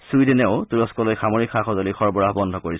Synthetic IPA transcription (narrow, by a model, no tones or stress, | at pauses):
sujdinɛʊtuɹɔskɔlojxamoɹikʰːaxɔzɔlixɔɹbɔɹaɦbɔndʱɔkoɹis